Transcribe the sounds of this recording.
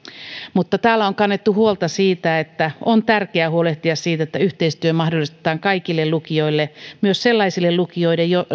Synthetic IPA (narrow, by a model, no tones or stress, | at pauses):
mut̪ːɑt̪æːlːæoŋkɑnːet̪ːuhuolt̪ɑsiːt̪æet̪ːæont̪ærkeæhuoleht̪iɑssiːt̪et̪ːæyht̪eist̪yømɑhdolist̪e̥t̪ɑːŋkɑikilːellukioilːemyøsselːɑisilːellukioidejjo